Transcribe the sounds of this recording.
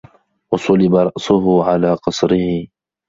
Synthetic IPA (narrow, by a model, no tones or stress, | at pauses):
wɑsˤʊlɪbaɾˤɑʔsʊɦʊʕalaːqɑsˤɾɪhɪ